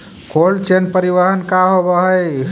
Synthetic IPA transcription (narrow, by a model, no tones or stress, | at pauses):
kʰolt͡ʃenpəɾiʋaɦənkaɦobəɦəj